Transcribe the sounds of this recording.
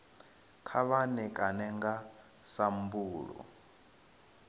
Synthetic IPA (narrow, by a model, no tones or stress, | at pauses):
kʰaβanɛkʼanɛŋɡa | sam̩buːɺɔ̰